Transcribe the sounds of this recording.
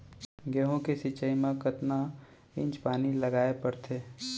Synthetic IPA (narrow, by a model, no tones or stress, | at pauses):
ɡeːɦõkesit͡ʃəimãkət̪na | ɪ̃ɲt͡ʃpaːnilɐɡaːepɐɾt̪ʰeː